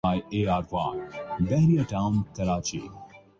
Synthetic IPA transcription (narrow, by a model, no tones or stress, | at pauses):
aːjeaːɾʋaːbɛɦɾijaʈaʊnk̪ɐɾaːt͡ʃḭ